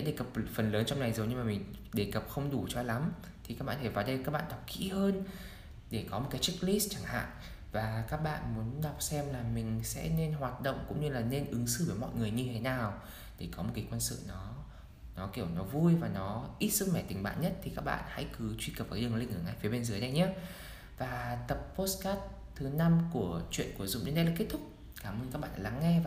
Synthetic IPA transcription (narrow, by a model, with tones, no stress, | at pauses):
e˧˥ɗe˧˩kə˨˩p̚fə˨˩nləː˨˦nt͡ɕɔ˧wŋ͡mna˨˩jzo˨˩wɲɨ˧maː˨˩mï˨˩ŋ̟ɗe˧˩kə˨˩p̚xə˧wŋ͡mɗu˧˩t͡ɕɔ˧la˨˦m | t̪ʰi˨˩kaː˦˥k̚ɓaː˧˨˩fʰa˧˩vaː˨˩ɗə˧jkaː˦˥k̚ɓa̰ː˧˨ɗa˨˩k͡p̚kḭ˧˥həː˧n | ɗe˧˩kɔ˨˦mo˨˩t̚kaː˨˦jt͡ɕi˦˥k̚li˦˥st͡ɕaː˧˩ŋha̰ː˧˨ŋ | vaː˨˩kaː˦˥k̚ɓa̰ː˧˨nmu˨˦ənɗa˨˩wk͡p̚sɛ˧mlaː˨˩mï˨˩ŋ̟sɛ̰˧˥ne˧nɦwaː˨˩t̚ɗo̰˧˨wŋ͡mkʊ̰˧˥ŋ͡mɲɨ˧laː˨˩ne˧nʔɨ˨˦ŋsɨ̰˧˨˦vəː˧˩jmɔ̰˧˨jŋɨ˨˩əjɲɨ˧t̪ʰe˨˦naː˨˩w | ɗe˧˩kɔ˨˦mo˨˩t̚kaː˨˦jkwə˧nsɨ̰˧˨nɔ˨˦ | nɔ˨˦ki˧˩ə˨nɔ˨˦vu˧jvaː˨˩nɔ˨˦ʔi˦˥t̚sɨ˦˥t̚ma˧˩jt̪ï˨˩ŋɓa̰ː˧˨nɲə˦˥t̚t̪ʰi˨˩kaː˦˥k̚ɓa̰ː˧˨nha̰˧˥jkɨ˨˦t͡ɕwi˧kə˨˩p̚a˨˩˨ɗli˧ŋ̟ʔɨ̰˧˩˨ŋaː˧˩jfi˨˦ɓe˧nzəː˨˦jɗə˧jɲaː˨˦ | vaː˨˩t̪ə˨˩p̚po˦˥skaː˦˥t̚ | t̪ʰɨ˨˦na˧mku˧˩ət͡ɕwḭ˧˨ənku˧˩əzʊ̰˧˨ŋ͡mɗḭ˨˦nɗə˧laː˧˨˩ke˦˥t̚t̪ʰʊ˦˥k͡p̚ | kaː˧˩mʔəː˧nkaː˦˥k̚ɓa̰ː˧˨n˨la˨˦ŋːɛ˧a˨